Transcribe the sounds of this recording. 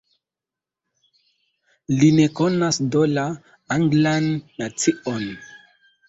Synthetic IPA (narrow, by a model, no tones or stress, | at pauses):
linekonasdola | aŋɡlanːat͡sion